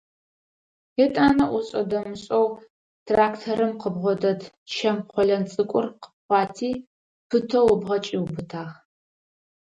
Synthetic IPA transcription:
etʼaːnɐʔʷɔɕʼɐdɐmɨɕʼɐw | tʰraːktʰɐɾɨmqəbʁʷɔdɐd | ʃʰɐmqʷɔɮɐnt͡sʼɨkʷʼʊrqə̥p̚χʷɑːtʰiː | pʰɨtʰɐwɔbʁɐt͡ʃʼiwbɨtʰaːʁ

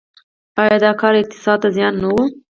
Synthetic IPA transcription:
ɑjɑd̪ɑkɑɾɪq̚t̪ɪ̥sɑd̪̚t̪azjɑnːawu

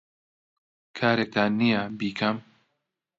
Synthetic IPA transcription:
kʰaːɾek̚t̪ʰaːnːijɐbiːkʰɐm

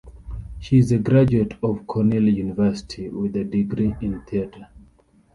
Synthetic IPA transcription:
ʃiːzəɡɹad͡ʒuətʰɔv̥kʰɔniljunivɜsɪ̥tʰiwɪðədiɡɹiĩnθiatʰə

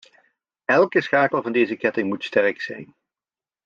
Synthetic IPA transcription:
ɛlˠkəsχaːkəlˠvɑndejzəkɛtɪŋmutstɛrksɛjn

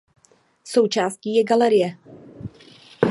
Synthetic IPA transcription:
so̞wt͡ʃaːsciːjɛɡalɛɾɪjɛ

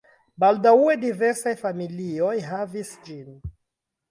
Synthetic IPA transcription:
baldauedive̞ɾsajfamilio̞jɦavisd͡ʒin

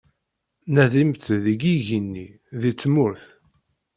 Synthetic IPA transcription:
næðimt̪ðiɡiʝinːi | ðit͡sːmʊɾθ

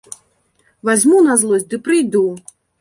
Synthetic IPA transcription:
vazʲmunazlˠɔz̚ʲd̪ɨpɾɨjd̪u

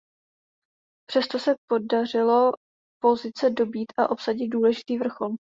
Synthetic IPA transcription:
pr̥ɛst̪o̞sɛpo̞darɪlo̞ | po̞zɪt͡sɛdo̞biːt̪ʔaʔo̞psaɟɪd̪̚duːlɛʒɪt̪iːvr̩xo̞l

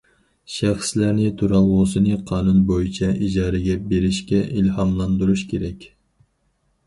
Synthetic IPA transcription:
ʃæχslæɾnɪt̪ʰuɾɑlʁosɨnɨqʰɑːnunbojit͡ʃʰɛʔid͡ʒɑːɾɛɡʲɛbeɾɪʃkʲɛʔilhɑmlˠɑnd̪uɾuʃkʲʰeɾɛkʲ

